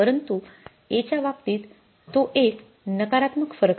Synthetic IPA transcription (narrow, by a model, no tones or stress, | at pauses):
pəɾənt̪u | et͡ɕjaʋap̚t̪iːt̪ː | oʔek | nəkaɾat̪məkfəɾək